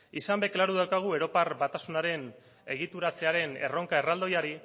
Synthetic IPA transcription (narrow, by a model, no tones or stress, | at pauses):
isambe̞klaɾuðawkaɣ̞ue̞ɾo̞parbat̪asunaɾe̞n | e̞ɣ̞it̪uɾat͡se̞aɾe̞ne̞̰ro̞ŋkae̞rald̪o̞jaɾi